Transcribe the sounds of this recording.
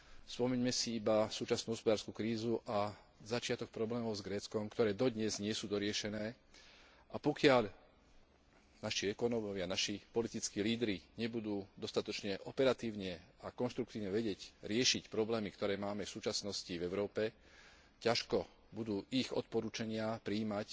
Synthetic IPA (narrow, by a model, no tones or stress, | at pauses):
spɔmɛɲmɛsiibasuːt͡ʃasnuːɦɔspɔd̪aːɾskuːkɾiːzuʔa | zat͡ʃɪat̪ɔk̚pɾɔblɛːmɔʊzɡɾɛːt͡skɔmkt̪ɔɾɛːd̪ɔd̪ɲɛzɲɪɛsuːd̪ɔɾɪɛʃɛnɛː | ʔapɔkɪaʎ | naʃiɛkɔnɔmɔʋɪanaʃipɔlit̪it͡skiːliːd̪ɾiɲɛbud̪uːd̪ɔst̪at̪ɔt͡ʃɲɛʔɔpɛɾat̪iːʊɲɛakɔnʃt̪ɾukt̪iːʊɲɛʋɛɟɛcɾɪɛʃicpɾɔblɛːmikt̪ɔɾɛːmaːmɛfsuːt͡ʃasnɔscivɛʊɾɔːpɛ | caʃkɔ | bud̪uːʔiɣɔ̰t̪̚pɔɾuːt͡ʃaɲɪapɾiːmac